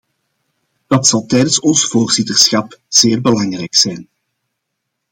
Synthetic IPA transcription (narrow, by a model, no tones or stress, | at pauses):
d̥ɑtsɑlˠtɛjdənsɔnsvoːrz̥itərsxɑpz̥eːrbəlɑŋrɛjksɛjn